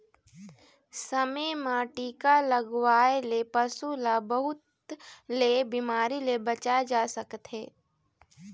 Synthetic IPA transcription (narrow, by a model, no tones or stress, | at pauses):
səmemãʈiːkaləɡwaːelepəsulabəɦʊt̪ | lebimaːɾilebət͡ʃad͡ʒaːsəkt̪ɦeː